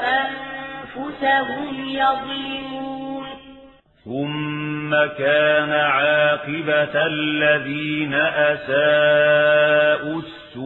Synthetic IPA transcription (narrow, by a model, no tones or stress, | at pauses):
ʔafʊsaɦʊmjɑðˤlɪmuːn | θʊmːakaːnaʕaɑːqɨbalːaðiːnaʔasaː | ʔusːʊ